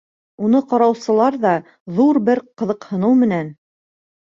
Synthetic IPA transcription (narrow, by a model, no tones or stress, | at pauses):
unɤqɑɾɑwsɤ̆lˠɑɾðɑ | ðuɾbɘɾqɤ̆ðɤqhɤ̆nɤwmɘ̆næn